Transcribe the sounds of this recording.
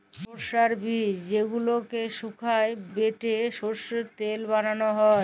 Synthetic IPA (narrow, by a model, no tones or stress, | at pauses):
oɾʃaɾbʱid͡ʑeɡulokeʃukʰaebeʈeʃoɾʃot̪elbananoɦɔe